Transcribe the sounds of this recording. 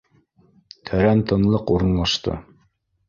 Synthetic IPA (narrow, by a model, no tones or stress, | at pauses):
t̪ʰæɾænt̪ɤ̆nlˠɤquɾɤ̆nlˠɑʃt̪ɤ̰